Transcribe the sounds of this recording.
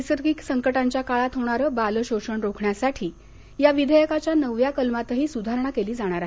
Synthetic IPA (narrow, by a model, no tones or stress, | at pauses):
səɾɡiksəŋkəʈaɲt͡ɕjakaɭat̪ɦoɽ̃aɾəːbaləɕoʂəɳɾokʰɳjasaʈʰiː | jaʋid̪ʱəjəkat͡ɕjanəʋjakəlmat̪əɦiːsud̪ʱaɾɳakeliːd͡zaɽ̃aɾaɦe